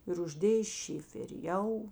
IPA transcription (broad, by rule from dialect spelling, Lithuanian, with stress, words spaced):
ɪr ʊʒʲˈdʲeːjeː ˈʃʲɪfʲɛrʲɪ ˈjɛʊ